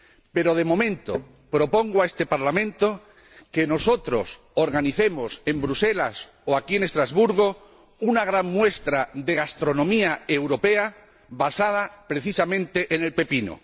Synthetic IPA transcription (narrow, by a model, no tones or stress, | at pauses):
pe̞ɾoð̞e̞mo̞mẽnt̪o̰ | pɾo̞po̞ŋɡoaest̪e̞paɾlamẽnt̪o | ke̞no̞so̞t̪ɾo̞̰s | oɾɣaniθe̞mose̞mbɾuse̞las | oakienest̪ɾazβuɾɣo | unaɣ̞ɾaŋmwe̞st̪ɾaðe̞ɣ̞ast̪ɾonõmiaewɾo̞pe̞a | βasað̞apɾe̞θisamẽnt̪e̞ʔene̞lpe̞pino̰